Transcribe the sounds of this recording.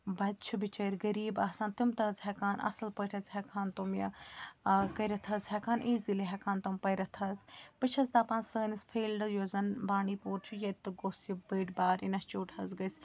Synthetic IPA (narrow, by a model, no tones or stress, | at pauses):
bɐt͡ʃʰubit͡ʃɐɾɡɐɾiːbaːsãːnt̪umt̪ɐzɦɛkaːnʔɐ̰sɐlpəʈʰɐzɦɛkʰaːnt̪umjɐ̰ | kɐiɾɐt̪ʰɐzɦɛkʰaːnʔiːziliɦɛkʰaːnt̪umpɐjɾɐt̪ʰɐzpɨt͡ʃʰɐzt̪aːpaːnsəːnisfʰeːlɖjoːzɐnbaːɳiːpoːɾt͡ʃʰujɐt̪ːɨɡosjibəːʈbaːɾinɐst͡ʃoːʈʰɐzɡɐsʲ